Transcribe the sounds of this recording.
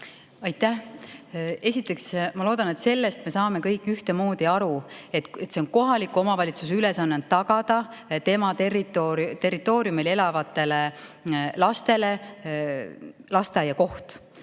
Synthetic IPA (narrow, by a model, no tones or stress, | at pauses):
ɑjt̪ːæh | e̞sʲit̪ːˑe̞ksmɑlo̞ːd̪̥ɑne̞t̪se̞lːe̞st̪me̞sɑːme̞kɤjkːˑyht̪e̞mo̞ːd̪̥iɑɾuet̪t̪ːse̞o̞nko̞ɦɑlikːˑuo̞mɑvɑlʲit̪sus̬yle̞sɑnːent̪ːɑɡɑd̪̥ɑt̪e̞mɑt̪erit̪ːˑot̪e̞rit̪ːˑo̞ːɾiumile̞lɑvɑt̪ːˑe̞le | lɑst̪e̞le̞ | lɑst̪ejɑko̞ht̪